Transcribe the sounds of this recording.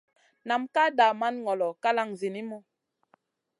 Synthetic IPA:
na˨mka˦da˨ma˦nŋɔ˨lɔ˨ka˦la˦ŋzi˨ni˦mɔ˦

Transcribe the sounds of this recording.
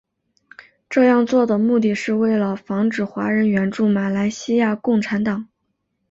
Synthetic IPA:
ʈ͡ʂɤ˥˧jɑ˥˧ŋt͡swɔ˥˩d̪ə˩mu˥˧t̪̬i˥˩ʂɻ̩˥˧we˥˩ɪlə˩fɑ˧˥ŋʈ͡ʂɻ̩˨˩xwa̰˧˥ɻə˧˥nɥɛ˧˥nʈ͡ʂu˥˩ma˨˩la˧˥ɪɕi˥ja˥˧kʊ˥˩ŋʈ͡ʂʰa˧˥nt̪ɑ˨˩˦ŋ

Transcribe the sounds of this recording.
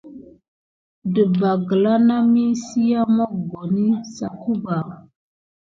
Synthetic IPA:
də˨ba˨ɡə˨la˦na˦mi˦si˦ja˦mɔ˦ɡo˨ni˦sa˨ku˦ba˨

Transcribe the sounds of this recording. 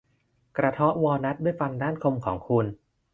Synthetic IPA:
kɾa˧t̪ʰɔ˦˥ʔwɔː˧na˦˥t̪̚du˥˩əjfa˧ndaː˥˩nkʰo˧mkʰɔː˩˦ŋkʰu˧n

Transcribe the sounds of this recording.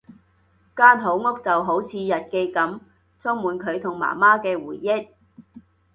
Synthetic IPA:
kaː˥nɦo˨˥wŋʊ˥k̚t͡sɐ˨wɦo˨˥wt͡sʰiː˨˧jɐ˨t̚ke˧jkɐ˨˥m | t͡sʰɔ˥ŋmuː˨nkʰɵ˨˧ɥt̪ʰʊ˨˩ŋma̰ː˨˩maː˥kɛː˧wuː˨˩jːɪ˥k̚

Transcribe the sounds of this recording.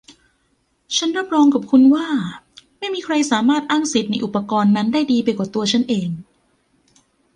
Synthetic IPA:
t͡ɕʰa˦˥nɾa˥˩p̚ɾɔː˧ŋka˨˩p̚kʰu˧nwaː˥˩ | ma˥˩jmiː˧kʰɾa˧jsaː˩˦maː˥˩t̪̚ʔaː˥˩ŋsi˨˩t̪̚na˧jʔu˨˩pːa˧kɔː˧nːa˦˥ndaː˥˩jdiː˧pa˧jkaː˨˩t̪u˧ɐt͡ɕʰa˦˥nʔeː˧ŋ

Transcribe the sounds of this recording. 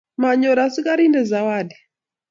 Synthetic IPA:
ma˨ɲɔ˨ɾa˨si˦ka˦ɾi˦ndɛ˨za˨wadɛ˨

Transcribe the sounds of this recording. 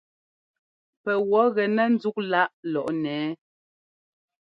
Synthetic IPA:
pɛ˨wɔ˨˦ɣɛ˨nɛ˦n̩˦d͡zu˦k̚la˦ʔlɔ˨ʔnɛː˨˦

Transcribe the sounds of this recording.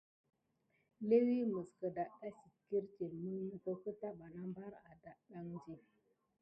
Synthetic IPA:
le˦wi˦mə˨skə˨da˨ʔɗa˦si˨t̚ki˦ɾt͡ʃe˨mə˦nːu˦ko˦kə˦ta˦ɓa˨na˦mba˦ɾa˨da˨ʔɗa˨ŋd͡ʒi˨

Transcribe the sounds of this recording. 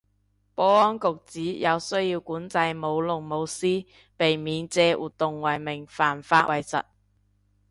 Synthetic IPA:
pɔː˨˥ɔː˥nkʊ˨k̚t͡siː˨˥jɐ˨˧wsɵ˥ɥjiː˧wkuː˨˥nt͡sɐ˧jmo˨˧wlʊ˨˩ŋmo˨˧wsiː˥ | pe˨jmiː˨˧nt͡sɛː˧wʔuː˨t̪ʊ˨ŋwɐ˨jmɪ˨˩ŋfaː˨˩nfaː˧˥wɐ˨˩jsɐ̰˨t̚

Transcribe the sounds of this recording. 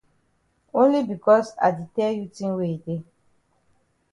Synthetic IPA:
õ˦nli˦bi˨kɔ˦sa̰˨di˨tɛ˦ju˦tĩ˦nwe˦i˨de˦

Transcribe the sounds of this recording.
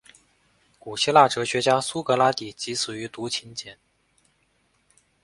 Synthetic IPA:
ku˨˩ɕi˥la˥˩ʈ͡ʂɤ˧˥ɕɥɛ˧˥t͡ɕja˥su˥kɤ˧˥la˥t̪i˨˩t͡ɕi˧˥sɹ̩˨˩y˧˥t̪u˧˥t͡ɕʰi˧˥nt͡ɕjɛ˧˩˦n

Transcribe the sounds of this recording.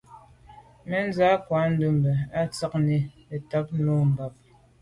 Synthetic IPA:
mɛ˦n˦za˦kwa˨˦n̩˦du˦m˨bɛ˨a˦t͡sa˦k̚ni˦ | e˨ta˨˦p̚nɔ˦m̩˨ba˨p̚

